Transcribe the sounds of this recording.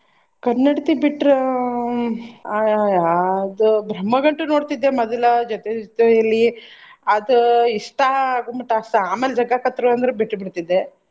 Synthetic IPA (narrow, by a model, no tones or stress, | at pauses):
kɐnːɐɽit̪ibiʈːɾe | d̪ubɾɐmːɐɡɐɳʈunoːɽt̪id̪ːemɐd̪ɐlɐd͡ʒɔt̪ed͡ʒt̪eɐlːiɐd̪uiʂʈaɡumɐʈːɐsʈ̪ɐaːmeːld͡ʒɐɡakɐt̪ːɾuɐnd̪ɐɾebiʈːɾbiɽt̪id̪ːe